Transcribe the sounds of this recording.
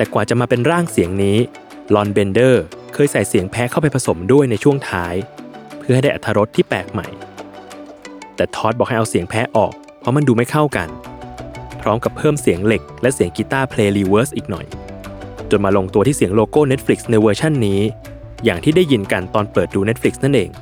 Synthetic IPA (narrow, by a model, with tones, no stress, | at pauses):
t̪ɛː˨˩kwaː˨˩t͡ɕa˨˩ʔmaː˧pe˧nɾaː˥˩ŋsi˨˩˦əŋniː˦˥ | lɔː˧nbe˧ndɤː˥˩kʰɤː˧jsa˨˩jsi˨˩˦ŋpʰɛː˦˥kʰa˥˩wp̬a˧jpʰa˧so˩˦mdu˥˩əjna˧jt͡ɕʰu˥˩əŋt̪ʰaː˦˥jpʰɯ˥˩ɦa˥jda˥˩ʔa˨t̪ʰːa˧ɾo˦˥t̪ʰːiː˥˩pɛ̰ː˨˩k̚ma̰˨˩j | t̪ɛː˨˩t̪ʰɔː˦˥t̪̚bɔː˨˩kha˥˩ʔwsi˩˦əŋpʰɛː˦˥ʔɔ̰ː˨˩k̚ | pʰɔ˦˥ma˧nduː˧ma˥˩jkʰa˥˩wka̰˧n | pʰɾɔː˦˥mka˨˩pʰːɤː˥˩msi˨˩˦əŋle˨˩k̚lɛ˦˥si˨˩˦əŋkiː˧t̪aː˥˩pʰleː˧liː˧wəː˦˥sʔiː˨˩k̚nɔ̰˨˩j | t͡ɕo˨˩nmaː˧lo˧ŋt̪u˧iː˥˩si˨˩˦əŋloː˧koː˥˩ne˦˥t̪̚fli˨˩k̚sna˧jwɤː˧t͡ɕʰa˥˩nːiː˦˥ | jaː˨˩ŋt̪ʰiː˥˩da˥˩jːi˧nka˧nt̪ɔː˧npɤː˨˩t̪̚duː˧ne˦˥t̪̚fli˨˦k̚sna˥˩nʔeː˧ŋ